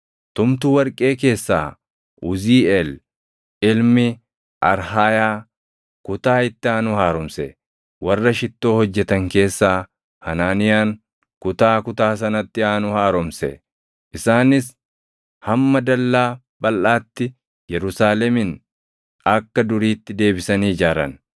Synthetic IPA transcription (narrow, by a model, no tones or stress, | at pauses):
t̪ʊmt̪uːwɐɾkʼe̞ːke̞ːsːa̰ː | ʔʊziːɛl | ɪlmɪ | ʔɐɾhaːjaː | kʊt̪aːɪt̪ːɪaːnʊhaːɾɔmsɛ | wɐrːɐʃɪt̪ːo̞ːhɔd͡ʒːɛt̪ɐŋke̞ːsːaː | hɐnaːnɪjaːŋ | kʊt̪aːkʊt̪aːs̬ɐnɐt̪ːɪaːnʊhaːɾɔmsɛ̰ | ʔɪsaːnɪs | hɐmːɐd̪ɐlːaː | bɐlʔaːt̪ːɪ | jɛɾʊsaːlɛmɪn | ɐkːɐd̪ʊɾiːt̪ːɪd̪e̞ːbɪsɐniːd͡ʒaːɾɐ̰n